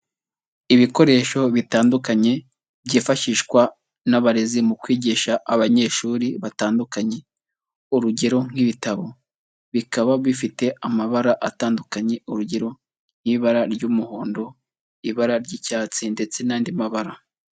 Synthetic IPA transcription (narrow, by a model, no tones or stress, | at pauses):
iβiko̞ɾe̞ːʃo̞βitaːndukaɲe̞ | βɟiːfaʃiʃkwa | naβaɾezimukwiːɟiʃaʔːβaɲe̞ʃuːɾiβataːndukaɲe̞ | uɾuɟe̞ɾo̞ŋ̥hiβitaβo̞ | βikaβaβifite̞amaβaɾaʔataːndukaɲe̞uɾuɟe̞ɾo̞ | n̥hiβaɾaɾɟumuho̞ːndo̞ | iβaɾaɾɟiːcaːt͡sinde̞t͡se̞naːndimaβaɾa